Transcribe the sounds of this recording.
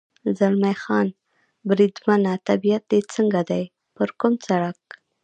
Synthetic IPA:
zalmajxɑn | bɾid̪manat̪abijat̪̚d̪et͡səŋɡad̪aj | pəɾkʊmt͡saɽak̚

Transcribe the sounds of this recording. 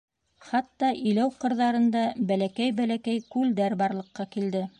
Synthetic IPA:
χɑt̪ːɑʔĭlæwqɤ̆ɾðɑɾɤ̆nd̪ɑbælækæjbælækæjkʉld̪æɾbɑɾlˠɤ̆qːɑkild̪ɘ

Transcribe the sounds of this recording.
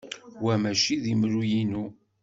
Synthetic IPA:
wæmæʃiðimɾujinu

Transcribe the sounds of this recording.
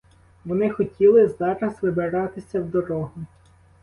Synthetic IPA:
ʋɔnɪxɔtʲilˠɪzɑɾɐsʋɪbɪɾɑt̪ɪsʲɐwd̪ɔɾɔɦʊ

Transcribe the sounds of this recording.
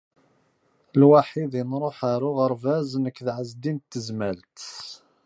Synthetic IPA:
lwaħiðinɾˤoħaɾʊʁəɾˤvæznəkːðʕəzd̪int̪ːəzmælt̪

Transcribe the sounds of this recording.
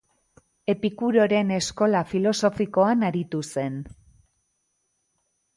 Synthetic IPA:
e̞pikuɾo̞ɾe̞ne̞sko̞lafilo̞so̞fiko̞anaɾit̪use̞n

